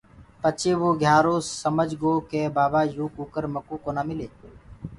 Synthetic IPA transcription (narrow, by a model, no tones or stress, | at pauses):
pət͡ʃeːʋoːɡʱjaːɾoːsəməd͡ʒɡoːkeːbaːbaːjuːkuːkəɾməkoːkoːnaːmɪleː